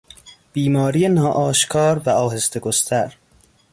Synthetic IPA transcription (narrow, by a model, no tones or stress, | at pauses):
b̥iːmɒːɾijenɒːʔɒːʃkʰɒːɾvæɒːɦest̪eɡost̪ʰæɾ